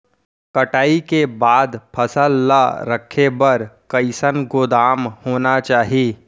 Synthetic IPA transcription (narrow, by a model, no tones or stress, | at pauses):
kəʈaːikebaːd̪pʰəsəlːa̰ɾəkʰːebəɾkəɪsənɡoːd̪aːmhoːnat͡ʃaːɦiː